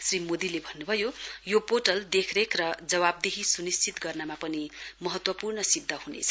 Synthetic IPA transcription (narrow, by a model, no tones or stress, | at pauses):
srimod̪ilebʱʌnːubʱʌjojopoʈʌld̪ekʰɾekrʌd͡zʌβab̚d̪eɦisunist͡sʰit̪ɡʌrnamapʌnimʌɦʌt̪wʌpurnʌsib̚d̪ʱʌhunḛt͡sʰʌ̥